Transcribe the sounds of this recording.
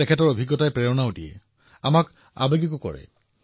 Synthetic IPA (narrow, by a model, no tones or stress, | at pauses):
ɛkʰɛtɔɹobʱiɡːɔtajpɹɛɹɔnaodijɛ̰ | a̰mak | a̰beɡikʊkɔ̰ɹɛ̰